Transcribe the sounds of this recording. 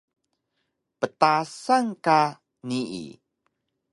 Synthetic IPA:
pət̪asaŋka | niḭ

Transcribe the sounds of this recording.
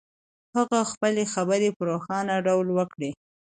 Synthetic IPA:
haɣaxpəlexabəɾepəɾoxɑnaɖawlwəkɽe

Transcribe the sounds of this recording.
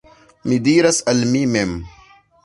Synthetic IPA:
mid̪iːɾɐsɐlmimem

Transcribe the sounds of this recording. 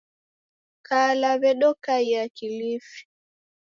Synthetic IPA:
kaːlaβɛɗɔkaijakilifi̥

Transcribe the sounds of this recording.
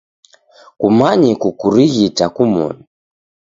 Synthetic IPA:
kumaɲikukuɾiɣitakumɔ̰ni

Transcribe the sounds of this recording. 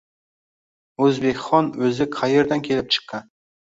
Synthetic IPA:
ɵzbekʲχɒnɵzɪqʰaje̞ɾd̪ankʲʰe̞lɪp̚t͡ʃʰɨ̥qːɑn

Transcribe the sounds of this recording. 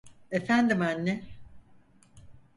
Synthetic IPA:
efænd̪imænːɛ

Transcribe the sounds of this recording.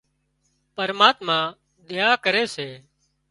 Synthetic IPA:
pəɾmaːt̪mãː | ɗ̪ɪjaːkəɾeːseː

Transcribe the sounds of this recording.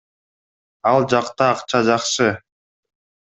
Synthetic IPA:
ɑlˠd͡ʒɑqt̪ɑːqt͡ʃɑd͡ʒɑqʃɯ

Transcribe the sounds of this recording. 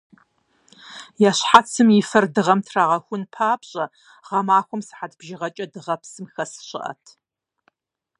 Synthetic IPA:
jaːɕħat͡sʰɨmjɪfɐrdɨʁɐmtʰraːʁɐxʷʊnpʰaːpɕʼɐ | ʁɐmaːxʷʊmsɨ̥ħatʰbʒɪʁɐt͡ʃʼɐdɨʁɐpsɨmxɐsɨ̥ɕɪ̰ʔɐ̰tʰ

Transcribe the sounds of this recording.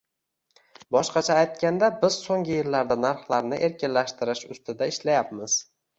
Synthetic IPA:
bɒʃqɑt͡ʃʰaːjt̪̚kʲand̪abɪz̥soŋɡʲɪjɪlːaɾd̪anaɾχlˠaɾnɪʔe̞ɾkʲɪnlaʃt̪ɪɾɪʃʊ̰st̪ɪd̪aɪʃlajapmɪz̥

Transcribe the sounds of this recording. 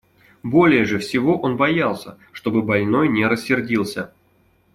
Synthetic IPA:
bo̞lʲɪjəʐɨfsʲɪvo̞ʔo̞nbɐjalˠsʲə̰ | ʂt̪o̞bɨbɐlʲno̞jnʲɪɾəsʲːɪrdʲilˠsʲə

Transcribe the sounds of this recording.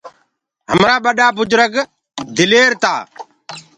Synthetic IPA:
ɦəmɾaːɓəɗaːbʊd͡ʒɾəɡ | d̪ʱɪleːɾt̪a̰ː

